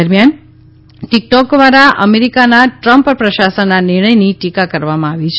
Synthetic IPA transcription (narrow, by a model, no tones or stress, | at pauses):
əɾmjan | ʈik̚ʈɔkd̪ʋaɾaʔəmeɾikanaʈɾəmppɾəʃasənːanɪɾɳ̃əjniʈikakəɾʋamãaʋit͡ʃʰ